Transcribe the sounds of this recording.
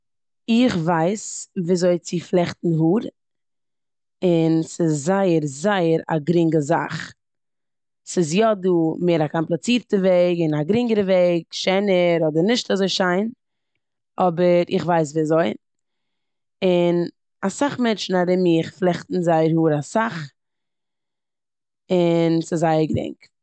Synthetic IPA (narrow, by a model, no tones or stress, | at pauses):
ɪχvaɪsviːzoɪt͡sɪflˠɛχtn̩ɦuːɾ | ɪnsɪszaɪəɾzaɪəɾa̰ɡɾɪŋɡəza̰χ | sɪs̬jɔduːmeːɾakɔmplˠat͡siːɾtəveɪɡɪnaɡɾɪŋɡəɾəveɪɡʃɛɪnəɾɔdəɾnɪʃtazoɪʃaɪn | ɔbəɾɪχvaɪs̬viːazoɪ | ɪn | asaχmɛnʃn̩adɛmɪχflˠɛχtn̩zaɪəɾhuːɾasaχ | ɪnsɪzzaɪəɾɡɾɪ̰ŋk